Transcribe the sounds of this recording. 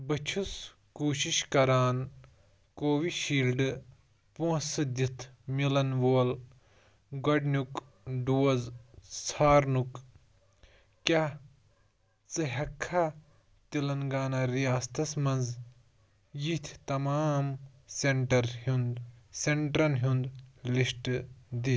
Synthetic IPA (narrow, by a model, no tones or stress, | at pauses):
bɐt͡ʃʰus | kuːʃiʃkɐɾaːn | koːʋiʃiːlɖ | põːsɨd̪it̪ʰmilɐnʋoːl | ɡɐɖnuk | ɖuːɐzt͡sʰaːɾnuk | kja | t͡sɨɦɐkʰːa | t̪ilɐnɡaːnaɾijaːst̪ʰɐsmɐ̃nz | jit̪ʰt̪ɐmaːmseɳʈɐɾhund̪seɳʈɾɐnɦund̪lisʈd̪i